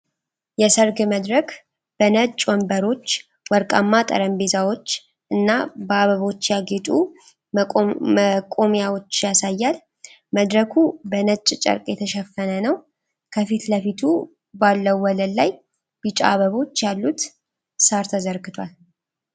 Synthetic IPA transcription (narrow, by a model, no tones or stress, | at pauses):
jɛsəɾɡɨməd̪ɾək | b̥ənət͡ʃʼwɔmbəɾo̞t͡ʃː | wɔɾkʼamːat̪ʼə̰ɾəmbe̞zawo̞t͡ʃː | ʔɨnːabəaβəβo̞t͡ʃːjaɡe̞t̪ʼu | məkʼomjawo̞t͡ʃːjasajːal | məd̪ɾəkʰubənət͡ʃʼt͡ʃʼə̰ɾkʼjɛt̪ʰəʃɛfːənənəw | kʰəfit̪ləfit̪ʰu | balːəwːɔləlːaj | b̥ɨt͡ʃʼa̰aβəβo̞t͡ʃːjalːut̪ | saɾt̪ʰəzəɾɡɨt̪ʰwal